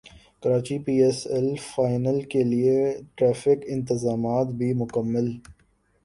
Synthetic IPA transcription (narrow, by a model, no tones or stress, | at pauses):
kɐɾaːt͡ʃipiːɛsɛlfaːɪnəlkelieʈɾaːfɪkɪ̃nt̪ɪzaːmaːt̪bʱimʊkəmːəl